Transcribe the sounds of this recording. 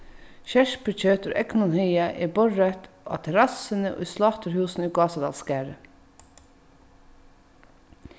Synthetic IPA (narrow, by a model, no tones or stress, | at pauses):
ʃæʃpʉc͡çøːt̪ʉ̰ɾʔɛ̰knʊnhœʏɑʔḛːbɔɹɑt̪ʔɑ̰ːt̪ʰɛɾɑsənəʔo̰ːiːslɑːt̪ʰəɾhʉːsn̩iːɡɑːsɑd̪ɑ̰lskæːɹə